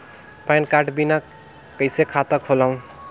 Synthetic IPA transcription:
pajnkaʈbina | kːəjsekʰat̪ʌkʰolʌũ

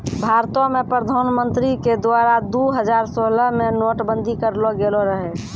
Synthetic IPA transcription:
bʱaɾt̪õmepɾəd̪ʱanmənt̪ɾiked̪aɾad̪uɦəd͡ʒaɾsoləmenoːʈbənd̪ʱikəɾloɡeloɾəɦe

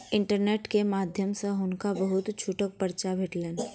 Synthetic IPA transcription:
ɪ̃ɳʈəɾneːʈkemaːd̪ʱjəmsẽɦʊnkabəɦʊt̪t͡ʃʰuʈək̚pəɾt͡ʃabʱeːʈleːn

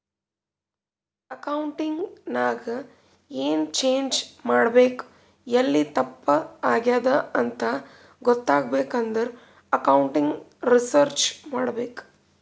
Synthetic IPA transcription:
ɐkɐwɳʈiŋɡnaːɡɐ | eːnt͡ʃeːɲd͡ʒmaːɽɐbeːk | ɐlːit̪ɐpːɐaːɡjaːd̪ɐɐnt̪ɐ | ɡɔt̪ːaːɡ̚beːkɐnd̪ɐɾ | ɐkɐwɳʈiŋɡɾisɐɾt͡ʃmaːɽɐbeːk

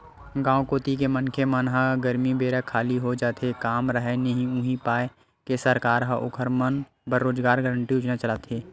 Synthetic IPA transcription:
ɡãːokoːt̪ikemənkʰemənɦəɡəɾmibeːɾəkʰːaːliɦod͡ʒaːt̪ʰekaːmɾəɦənɐɦĩũːɦĩpaːe | kesəɾkaːɾɦəʔʊ̰kʰəɾmən | bəɾɾoːd͡ʒɡaːɾɡəɾəɳʈiʊt͡ʃnat͡ʃəlaːt̪eː

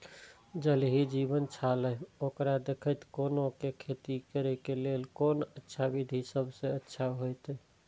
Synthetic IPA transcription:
d͡ʒəlɦid͡ʒiβənt͡ʃʰaləokɾad̪ekʰəjt̪konokekʰet̪ikəɾɛkelelkonətːʃʰabid̪ʱisəbʱsẽətːʃʰaɦojt̪

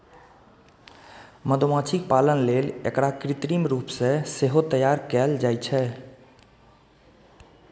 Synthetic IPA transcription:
məd̪omãt͡ʃʰik̚palənlelḛkɾakɾit̪ɾimɾuːpsẽseɦot̪əjaɾkɛld͡ʒajt͡ʃʰɛ

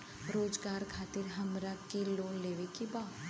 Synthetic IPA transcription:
ɾoːd͡ʒɡaːɾkʰaːt̪ɪɾɦɐmɾakiloːnleːʋekibaː

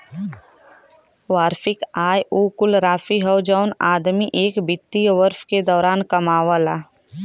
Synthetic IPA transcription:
ʋaːɾfɪkaːjuːkʊlɾaːfiɦəwd͡ʒɔːnaːd̪miʔeːkbɪt̪ːijʋəɾfked̪ɔːɾaːnkɐmaːʋəlaː

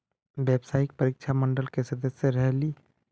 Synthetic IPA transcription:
bebsaːik̚pəɾik̚t͡ʃʰaməɳɖəlkesəd̪əsjəɾəɦli

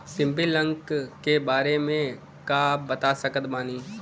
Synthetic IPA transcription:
sɪ̃mbilə̃ŋkkkebaːɾemẽ | kabɐt̪asɐkət̪maːniː

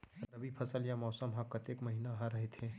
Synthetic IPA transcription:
ɾɐbʱipʰɐsəljamɔːsəmɦãkɐt̪eːkmɐɦiːnaɦaɾɐɦet̪ʰẽː

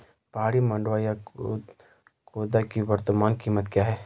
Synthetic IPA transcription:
paːɽimɐ̃ɳɖʋaja | koːd̪akiwɐɾt̪əmaːnkiːmət̪kjaːɦɛː

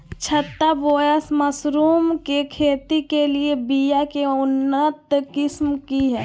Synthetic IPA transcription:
t͡ʃʰət̪ːaboːjəsməsɾuːmkekʰeːt̪ikeliebijakeʊnːət̪kɪsmkiɦɛː

